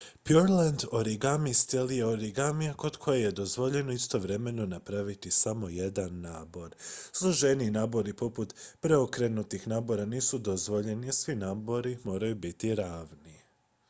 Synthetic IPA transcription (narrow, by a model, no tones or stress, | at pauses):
pjuɾland̪oɾiɡamist̪elijeoɾiɡamijako̞d̪kʰo̞jeje̞d̪ozʋo̞ʎe̞no̞ist̪o̞ʋɾe̞me̞no̞napɾaʋit̪isamo̞je̞d̪anːaːbo̞ɾslˠoʒeninaːbo̞ɾipo̞put̪pɾeokɾe̞nut̪ixnaːbo̞ɾaniːsud̪ozʋo̞ʎe̞niasʋinaːbo̞ɾimo̞ːɾajubit̪iɾaːʋni